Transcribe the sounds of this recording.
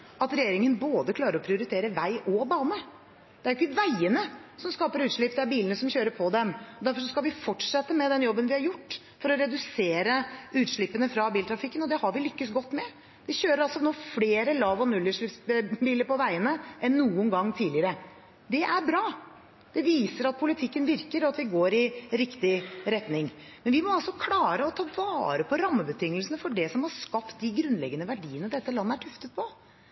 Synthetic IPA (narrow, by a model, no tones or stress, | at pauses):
ʔɑt̪ɾɛjeːɾɪŋənboːd̪əkʰlɑːɾəɾɔpʰɾɪʊɾɪt̪ʰeːɾəʋæɪʔɔbɑːnə | d̪̥ɛæɾjɪkːəʋæɪənəsɔmskɑːpəɾʉːt̪ʂɭɪp̚ːd̪ɛæɾbiːlənəsɔmçøːɾəɾpʰɔd̪ɛmɔd̪æɾfɔɾʂ̬ɔskɑlʋɪfɔʈːʂɛt̪ːəmɛd̪ɛnjɔbːənʋɪhɑɾjʊʈː | fɔɾɔɾɛd̪ʉseːɾəʉːt̪ʂɭɪpːənəfɾɑbiːlt̪ʰɾɑfɪkːənɔd̪ɛhɑɾʋɪlʏkːəsɡɔt̪ːmɛ | d̪̥ɛçøːɾəɾɑlsɔnoːfleːɾəlɑːʋɔnʉlːəʂɭɪpsbiːləɾpɔʋæɪənəʔɛnːuːənɡɑŋːt̪ʰiːdlɪəɾə | d̪ɛʔæɾbɾɑː | d̪̥ɛʋiːsəɾɑt̪̚pʰʊlɪt̪ʰɪkːənʋɪɾkəɾɔɑt̪ʋɪɡoːɾɪɾɪkt̪ɪɾɛt̪nɪŋmɛnʋɪmɔɑlsɔkʰlɑːɾəɔt̪ʰɑːʋɑːɾəpʰɔɾɑmːəbət̪ʰʏŋːəlsənəfɔɖɛsɔmhɑʂkɑpt̪̚d̪ɪɡɾʉnlɛ̰ɡənəʋæɖiːənəd̪ɛt̪ːəlɑnːəæʈʰʉft̪ət̪̚pʰɔ